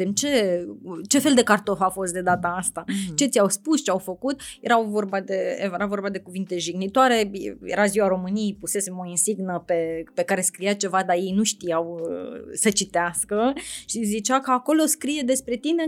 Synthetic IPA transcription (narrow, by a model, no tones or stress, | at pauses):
emt͡ʃe̞ | t͡ʃe̞fe̞ld̪e̞kart̪o̞fafo̞st̪̚d̪e̞d̪at̪əast̪at͡ʃe̞t̪sʲawspust͡ʃeawfəkut̪je̞ɾawvo̞rbad̪e̞jeɾavo̞rbad̪e̞kuvint̪e̞ʒiɡnit̪oaɾe̞jḛɾaziwaɾo̞mɨnijejpuse̞semo̞insiɡnəpe̞pe̞kaɾe̞skɾijat͡ʃe̞vad̪aje̞jnuʃt̪ijawsət͡ʃit̪easkəʃizit͡ʃakəako̞lo̞skɾije̞d̪e̞spɾe̞t̪ine̞